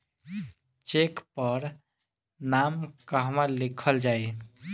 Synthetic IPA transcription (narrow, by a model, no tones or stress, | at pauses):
t͡ʃekpəɾ | namkəɦmãlikʰəld͡ʒaj